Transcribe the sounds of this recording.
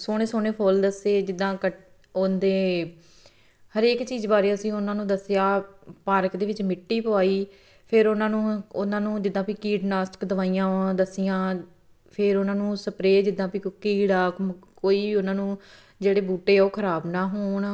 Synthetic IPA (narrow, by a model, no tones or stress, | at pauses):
soːɽ̃ẽːsoːneːpʰoːld̪əseːd͡ʒɪd̪ːãːkə | ond̪eː | həɾeːkt͡ʃiːzbaːɾeːsĩːʊnãːnũːd̪əsːɪjaːpaːɾəkd̪eːʋɪt͡ʃmɪʈːiːpʊaːiː | pʰɪɾʊnãːnũːʊnãːnũːd͡ʒɪd̪ãːpiːkiːɖnaːsʈkd̪əʋaːijãːd̪əsijãː | pʰɪɾʊnãːnũːsəpɾeːd͡ʒɪd̪ãːpiːkʊkːiːɽaːkoːiːʊnãːnũː | d͡ʒeːɽeːbuːʈeːoːkʰəɾaːbnaːɦoːɳ